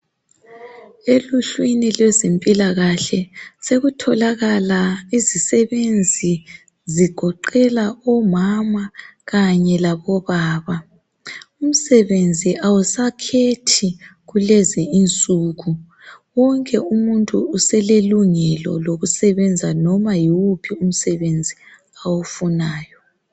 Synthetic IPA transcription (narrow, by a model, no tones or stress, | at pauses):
eluɬwinilwɛzempʼilaɣaɬɛseɣutʰɔlaɣalaizisɛβend͡zʱi | ziɡ̥ʱɔǃɛlaɔmamaɣaɲɛlaβɔβaːβa | um̩sɛβend͡zʱiʔawusakʰetʰiɣulɛzɛint͡sʼuːɣu | wɔŋkʼɛumuntʼṵːsɛleluŋɛlɔ̰loɣusɛβɛnd͡zʱanɔmajiwupʰium̩sɛβend͡zʱi | awufunaːjɔ